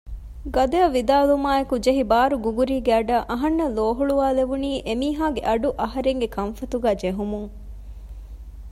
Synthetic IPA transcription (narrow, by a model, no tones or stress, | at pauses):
ɡɐd̪eɐʋid̪aːlumaːekud͡ʒeɦibaːɾuɡuɡuɾiːɡeɐɖɐʔɐɦɐnːɐloːɦuɭuʋaːleʋuniːʔemiːɦaːɡeʔɐɖuʔɐɦɐɾeŋɡekʰɐnfɐt̪uɡæːd͡ʒeɦumuŋ